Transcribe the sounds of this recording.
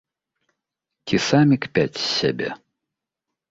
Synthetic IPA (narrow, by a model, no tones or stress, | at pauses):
t͡sʲisamʲikpʲat͡sʲsʲa̰bʲḛ